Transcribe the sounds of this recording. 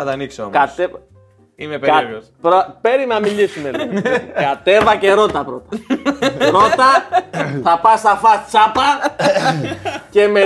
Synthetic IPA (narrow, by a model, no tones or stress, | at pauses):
ɐt̪ɐniksookɐt̪e | imeɐ | pɾope̞ɾinɐmiʎisunelkɐt̪e̞vɐce̞ɾo̞t̪ɐpɾot̪ɐ̥ | ɾot̪ɐθɐpɐst̪ɐfɐst͡sɐpɐ | ce̞me